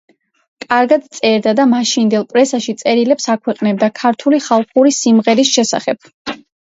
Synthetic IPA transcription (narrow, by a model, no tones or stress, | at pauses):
kʼaɾɡad̪t̪sʼɛɾd̪ad̪amaʃind̪ɛlˠpʼɾɛsaʃit̪sʼɛɾilɛpsakʰwɛqʼnɛb̚d̪akʰaɾt̪ʰuliχalˠχuɾisimʁɛɾisʃɛsa̰χɛb̥̚